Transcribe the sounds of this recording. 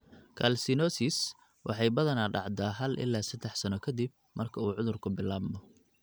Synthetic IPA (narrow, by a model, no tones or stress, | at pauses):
kʰɐ̰lsɪnɔsis | wʔɑħɑjbɐðɐnaːɖɑ̰ʕd̪aːɦɐlʔɪ̰lːaːsɐd̪ɛħsɐnɔkʰɐd̪ib̚ | mɐrkʰɐuːʕʊðʊrkʰʊbɪlːaːbmɔ